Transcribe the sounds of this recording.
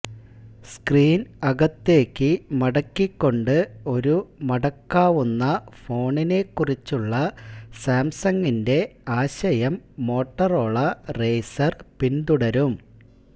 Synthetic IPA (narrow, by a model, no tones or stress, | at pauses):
skriːnɐɡɐt̪ːe̞ːkːɨmɐɽɐkːikːo̞ɳɖɨo̞ɾumɐɽɐkːaːʋunːɐfo̞ːɳine̞ːkːurit͡ɕːuɭːɐsaːmsɐŋɡinde̞aːɕɐjɐmːo̞ːʈːɐro̞ːɭːɐre̞jsɐrpind̪uɽɐɾum